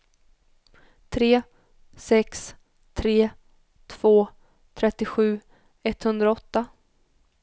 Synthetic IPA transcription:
t̪ʰɾeː | ɛks | t̪ʰɾeː | t̪ʰv̥oː | t̪ʰɾɛt̪ːɪɧʉ̟ː | ɛt̪ːhɵnd̪ɾaɔt̪ːa

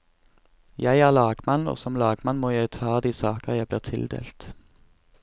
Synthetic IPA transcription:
jæɪæːʁlɑːɡmɑno̰ːsɔmlɑːɡmɑnmoːjæɪt̪ʰɑːd̪iːsɑːkəʁjæɪbliːʁt̪ʰɪld̪ḛːlt̪

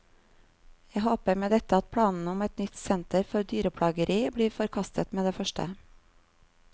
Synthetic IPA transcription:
jæhoːpəɾmeːd̪ɛt̪əɑt̪̚pʰɽɑːnn̩ʊmɛt̪nʏt̪sɛnt̪əɾfɔɾd̪yːɾəpʰɽɑːɡəɾʔiːbɽiːfɔɾkʰɑst̪ət̪meːd̪eːfœʃʈə̰

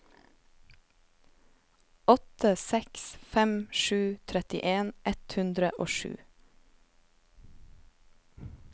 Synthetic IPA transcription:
ɔt̪əsɛksfɛmʃʉːt̪ʰɾɛt̪ɪ̰ʔeːnʔɛt̪hʉnd̪ɾəʔo̰ːʃʉ̰ː

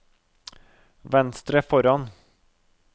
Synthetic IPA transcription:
ʋɛnst̪ɾəfɔɾɑn

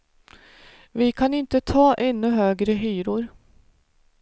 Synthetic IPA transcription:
vɪkʰanɪnt̪ət̪ʰɑːʔɛnːɵɦøːɡɾəɦyːɾʊɾ

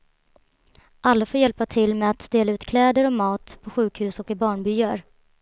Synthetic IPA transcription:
ʔalːafoːɾjɛlpat̪ʰɪlmɛat̪d̪eːlaʉ̟ːt̪kʰlɛːd̪əɾɔmɑːt̪pʰɔɧʉ̟ːkhʉ̟ːsɔkɪbɑːɳbʏjaɾ

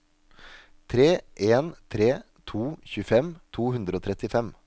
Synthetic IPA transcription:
t̪ʰɾeːʔeːnt̪ʰɾeː | t̪ʰuːçʉːfɛmt̪ʰuːhʉnd̪ɾəoːt̪ʰɾɛt̪ɪfɛm

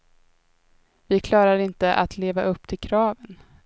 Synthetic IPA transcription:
vɪkʰlɑːɾaɾɪnt̪əʔa̰t̪ʰleːvaʔɵpːt̪ʰɪlkʰɾɑːvən

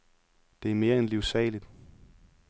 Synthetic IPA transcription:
d̥e̝æɐme̝ːɐenliʊsɛ̰ːlid̥

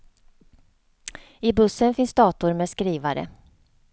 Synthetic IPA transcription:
ɪbɵsːənfɪnsd̪ɑːt̪ʊɾmeːskɾiːvaɾə̰

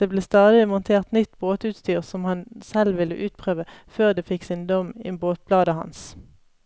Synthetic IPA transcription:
d̪̥eːbleːst̪ɑːd̪ɪmʊnt̪ʰeːʁt̪nʏt̪ːboːt̪ʉːt̪st̪yːʁsɔmhɑnsɛlʋɪlːə̰ʔʉːt̪̚pʰʁøːʋəføːʁd̪eːfɪksɪnd̪ɔmɪ̰boːt̪̚blɑːd̪əhɑ̰ns

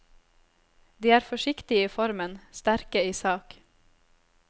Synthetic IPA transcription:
d̪iːæːɾfɔʃɪkt̪ɪiːfɔɾmənst̪æɾkəiːsɑːk

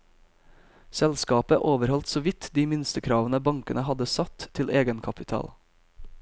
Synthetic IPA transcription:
sɛlskɑːpəʔoːʋəɾhɔlt̪soːʋɪt̪d̪iːmɪnst̪əkʰɾɑːʋənəbɑŋkənəhɑd̪əsɑt̪ʰːɪlʔeːɡənkʰɑpɪt̪ʰɑ̰ːl

